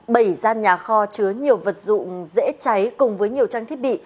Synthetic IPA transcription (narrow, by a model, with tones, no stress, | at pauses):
ɓə˧˩jzaː˧nɲaː˨˩xɔ˧t͡ɕɨ˨˦əɲi˨˩əwvə˨˩t̚zʊ̰˧˨ŋ͡mzḛ˧˥t͡ɕa˨˦jkʊ˨˩ŋ͡mvəː˨˦jɲi˨˩əwt͡ɕaː˧ŋt̪ʰi˦˥ət̚ɓḭ˧˨